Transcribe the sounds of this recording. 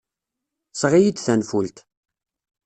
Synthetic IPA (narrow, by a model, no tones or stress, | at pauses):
sʁijid̪θænfult̪